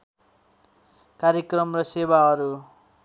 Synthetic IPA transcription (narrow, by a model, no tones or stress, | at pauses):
kaɾjekrʌmrʌsebaɦʌɾu